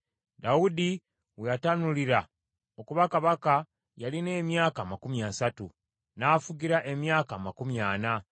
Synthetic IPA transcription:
daudi | wejatanuliɾa | o̞kuβakaβaka | jaline̞ːmjaːkaːmakumjaːsatu | naːfuɟiɾaʔe̞mjaːkaːmakumjaːna

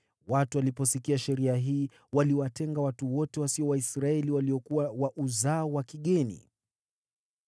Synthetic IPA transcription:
watualipɔsikiaʃɛɾiaɦiː | waliwatɛŋɡawatuwɔtɛwasiɔwaisɾaɛliwaliɔkuwawaʔuzaɔwakiɠɛnḭ

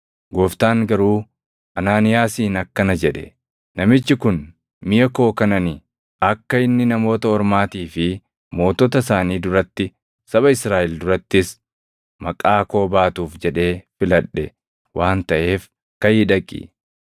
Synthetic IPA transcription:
ɡɔft̪aːŋɡɐɾuː | ʔɐnaːnɪjaːsiːnɐkːɐnɐd͡ʒɛᶑɛ̥ | nɐmɪt͡ʃːɪkʊn | mɪjɐko̞ːkɐnɐnɪ | ɐkːɐɪnːɪnɐmo̞ːt̪ɐɔɾmaːt̪iːfɪ | mo̞ːt̪ɔt̪ɐs̬aːniːd̪ʊɾɐt̪ːɪ | sɐβɐɪsɾaːʔɪld̪ʊɾɐt̪ːɪs | mɐkʼːaːko̞ːbaːt̪uːfd͡ʒɛᶑe̞ːfɪlɐᶑːɛ | wʔaːnt̪ɐʔe̞ːf | kɐjɪᶑɐkʼːɪ̰

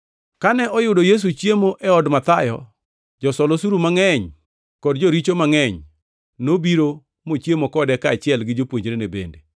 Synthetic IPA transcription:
kanɛʔɔjʊdojes̬ut͡ʃjemoʔɛɔdmat̪ajɔ̰ | d͡ʒɔsɔlosuɾumaŋɛɲ | kɔdd͡ʒoɾit͡ʃomaŋɛɲ | nobiɾo | mot͡ʃjemokɔdɛkaːt͡ʃɪɛlɡɪd͡ʒopwoɲd͡ʒɾenebḛnde

